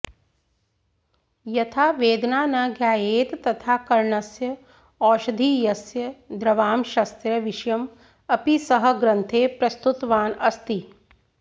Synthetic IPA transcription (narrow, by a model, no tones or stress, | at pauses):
jɐt̪ʰaːʋeːd̪naːnɐɡjaːjeːt̪ːɐt̪ʰaːkɐɾɳɐsjɐ | ɔːʃɐd̪ʱiːjɐsjɐd̪ɾɐʋaːmʃɐst̪ɾɐʋiʃɐjɐm | ɐpisɐɦɐ̆ɡɾɐnt̪ʰeːpɾɐst̪ut̪ʋaːnɐst̪i